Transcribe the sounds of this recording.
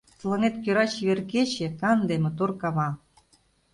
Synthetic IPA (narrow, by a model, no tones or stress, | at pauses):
t̪ɤ̆lɤ̆net̪køɾɑt͡ɕiβerket͡ɕĕkɑnd̪emĕt̪orkɑβɑ